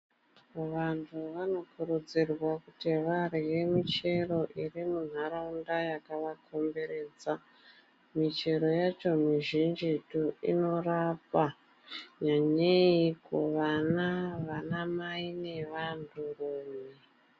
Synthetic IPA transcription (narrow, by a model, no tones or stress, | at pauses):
ʋantʰuʋano̞kuɾud͡zirwakuteʋarijemit͡ʃe̞ɾo̞ʔirimun̤aɾaundajakaʋakʰo̞mbe̞ɾe̞ːd͡za | mit͡ʃe̞ɾo̞jat͡ʃo̞miʒind͡ʒituḭno̞rapa | ɲaɲeikuʋanaʋanamaine̞ʋantʰuruːme